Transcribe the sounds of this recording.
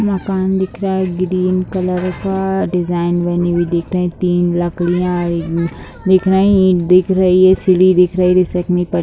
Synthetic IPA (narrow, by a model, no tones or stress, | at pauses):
mɐkaːnd̪ɪkʰɾaːɛɡɾiːnkɐləɾkaɖɪzaːɪnʋɛnibʱid̪ɪːkʰɾɐɦĩt̪iːnlɐkɽijã | d̪ɪkʰɾaɦɛ̃d̪ɪkʰɾɐɦiɦɛsɪlid̪ɪkʰɾɐɦiɾɪsɛkmĩpɐ